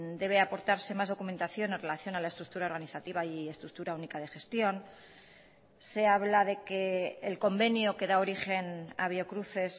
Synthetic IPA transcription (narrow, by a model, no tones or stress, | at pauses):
d̪e̞β̞e̞apo̞ɾt̪aɾse̞mazð̞o̞kume̞nt̪aθjo̞ne̞nre̞laθjo̞nalaest̪ɾuk̚t̪uɾao̞ɾɣaniθat̪iβ̞aie̞st̪ɾuk̚t̪uɾaunikaðe̞xe̞st̪jo̞n | se̞aβ̞laðe̞ke̞ːlko̞mbe̞njoke̞ðao̞ɾixe̞na̰β̞jo̞kɾuθe̞s